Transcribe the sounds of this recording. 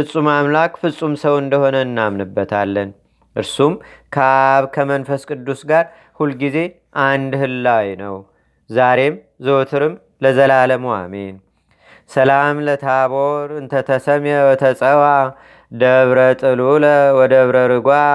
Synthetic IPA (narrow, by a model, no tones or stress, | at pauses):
fɨsʼːumamlakʼfɨsʼumsəwɨnd̪əho̞nəɨnːamnɨbːət̪ʰa̰lːən | ʔɨɾsumkʰəaβkʰəmənfəskʼɨd̪ːusɡaɾ | hulɡize̞ | ʔand̪hɨlːawjnəw | zaɾe̞m | zot̪ʰɨɾɨm | ləzəlaləma̰me̞n | səlamlət̪ʰaβoɾɨnt̪ʰət̪ʰəsəmjəwt̪ʰəsʼəwa | d̪əβɾət̪ʼɨluləwɔd̪əβɾəɾɨɡʷa